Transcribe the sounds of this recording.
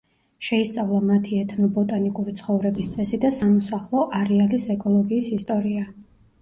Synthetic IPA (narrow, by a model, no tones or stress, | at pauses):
ʃɛist̪sʼavlˠamat̪ʰiɛt̪ʰnɔbɔt̪ʼanikʼuɾit̪sʰχɔvɾɛbist̪sʼɛsid̪asamɔsaχlˠɔʔaɾɛalisɛkʼɔlˠɔɡiːsist̪ʼɔɾia